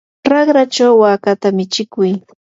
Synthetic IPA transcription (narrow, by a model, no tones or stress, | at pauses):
ɾɑχɾat͡ʃawːaːkat̪amɪt͡ʃɪkʊj